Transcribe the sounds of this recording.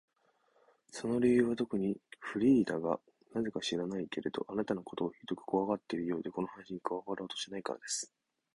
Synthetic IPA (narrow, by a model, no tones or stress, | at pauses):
so̞no̞ɾʲejɯ̟ːβat̪o̞kɯ̟ɲ̟iɸɯ̟ɾʲiːd̪aɡa̰ | naze̞kaɕiɾanaike̞ɾe̞d̪o̞̰ʔanat̪ano̞ko̞t̪o̞ːçit̪okɯ̥koaɡat̪ːe̞iɾɯ̟jo̞ːd̪e̞ko̞no̞hanaɕiɲ̟ikɯβaɡaɾo̞ːt̪o̞̥ɕinaika̰ɾa̰d̪e̞sɨ̥